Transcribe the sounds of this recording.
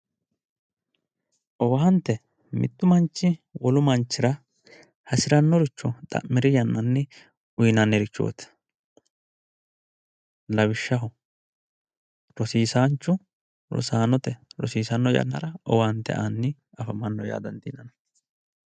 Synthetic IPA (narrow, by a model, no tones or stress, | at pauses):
ʔɔwɐɦɐnt̪ːɛ | mɪ̰t̪ːʊmɐnt͡ʃːɪwɔlʊmɐnt͡ʃːɪɾɐ | hɐsɪɾɐnːɔɾɪt͡ʃːʊt̪ʼɐ̰ʔmːɪɾɪjɐnːɐnːɛ | ʊjnɐnːɛɾɪt͡ʃːo̰ːt̪ɛ̥ | lɐwɪʃːɐɦʊ | ɾɔsiːsaːnt͡ʃːʊ | ɾɔ̰saːnɔt̪ɛɾɔ̰siːsɐnːɔjɐ̰nːɐ̰ɾɐʔɔwɐhɐnt̪ːɛ̰ʔanːɪ | ɐfɐmɐnːɔja̰ːd̪ɐnt̪ḭːnɐnɐ